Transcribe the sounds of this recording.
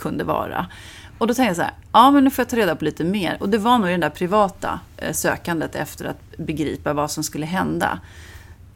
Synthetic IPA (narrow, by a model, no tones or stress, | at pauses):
kʰɵnd̪əvɑ̰ːɾa̰ | ɔd̪ɔt̪ʰɛŋt̪jasæ̰ːɾ | ɑːmɛnnʉfɔɾjat̪ʰɑːɾeːd̪apʰɔliːt̪əmeːɾɔd̪ɛvanuːɡɪd̪ɛnd̪æɾpʰɾɪvɑːt̪a̰sø̰ːkand̪ət̪ɛ̰ft̪əɾa̰t̪bɛɡɾḭːpavasɔmskɵlːəɦɛnd̪a̰